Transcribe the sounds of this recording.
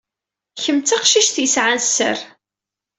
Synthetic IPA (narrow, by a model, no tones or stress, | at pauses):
çəmt͡s̪aqʃiʃθjəsʕansːə̰ɾ